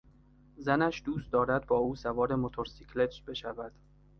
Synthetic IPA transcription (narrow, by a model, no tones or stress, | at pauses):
zænæʃd̪uːst̪̚d̪ɒːɾæd̪̚bɒːuːsævɒːɾe̞mot̪ʰoɾsikʰle̞t̪b̥e̞ʃævæd̪̥